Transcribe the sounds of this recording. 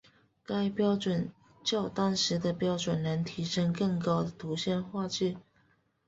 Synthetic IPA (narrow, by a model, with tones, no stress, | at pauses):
ka˥ɪpjɑ˥ʊʈ͡ʂwə˨˩n | t͡ɕjo˥˩ʊt̪ɑ˥ŋʂɻ̩˧˥d̪ə˧pjɑ˥ʊʈ͡ʂwə˨˩nnə˧˦˥ŋt̪ʰi˧˥ʂə˥ŋkə˥˩ŋkɑ˥ʊd̪ə˨t̪u˧˥ɕjɛ˥˧nxwa˥˧t͡ɕy˥˩